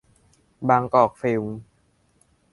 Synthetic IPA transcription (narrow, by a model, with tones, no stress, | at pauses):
baː˧ŋkɔː˨˩k̚feː˧m